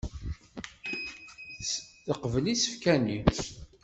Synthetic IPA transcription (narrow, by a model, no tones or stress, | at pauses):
θəqvəlisə̥fkæni